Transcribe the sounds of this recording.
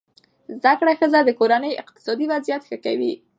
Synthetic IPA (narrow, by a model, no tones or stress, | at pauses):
zd̪akɽaxəzad̪əkoɾanəjɪ̰q̚t̪ɪ̥sɑd̪iwazijat̪xəkawḭ